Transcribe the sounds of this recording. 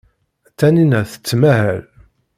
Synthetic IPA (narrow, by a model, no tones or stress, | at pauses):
t̪ːæninæθə̥t͡sːmæhæl